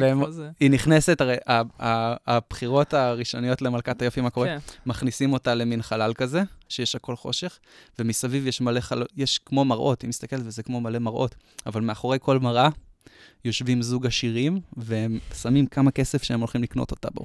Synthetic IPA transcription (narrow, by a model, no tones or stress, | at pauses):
veeminiχnese̞taʁejʔaaːb̥χiʁo̞taʁiʃo̞nijo̞tle̞malkatajo̞fimako̞ʁemaχnisimo̞tale̞minχalalkaze̞ʃejeʃako̞lχo̞ʃe̞χ | vemisavivjeʃmale̞χalojeʃkmo̞maʁʔo̞timist̪akeletvezekmo̞male̞maʁʔo̞̰tavalmeaχo̞ʁe̞jko̞lmaʁa | jo̞ʃvimzuɡaʃiʁimvehe̞msamimkamakesefʃeemo̞lχimlikno̞̰to̞̥ta̰bo̰